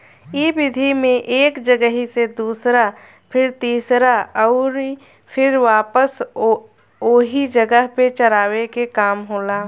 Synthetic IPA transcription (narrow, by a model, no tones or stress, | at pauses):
iːbɪd̪ʱimẽʔeːkd͡ʒəɡəɦised̪uːsɾa | pʰɪɾt̪iːsɾaɔːɾ | pʰɪɾʋaːpəs | oːɦid͡ʒəɡəɦpet͡ʃəɾaːʋekekaːmɦoːlaː